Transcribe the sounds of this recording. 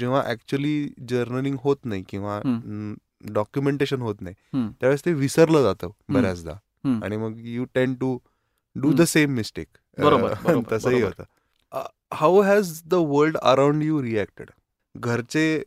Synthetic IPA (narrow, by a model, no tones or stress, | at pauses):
d͡ʑeʋ̤aʔæk̚t͡ɕuəliːd͡ʑəɾnəliŋɡɦot̪naikĩw̃ʋa | ɖɔkjumeɳʈeɕənɦot̪nait̪jaʋest̪eʋisəɾləd͡zat̪əbʱəɾjat͡sd̪a̰ | a̰ɽ̃iməɡjuʈẽɳɖʈu | ɖuːd̪əsemːisʈḛk | bəɾoət̪əsəːɦiɦoɾt̪ə̰ː | ə̰ | hawɦɛzd̪əʋəɾlɖə̰ɾaw̃ɳɖjuɾiæk̚ʈə̰ɽ | ɡʱəɾt͡se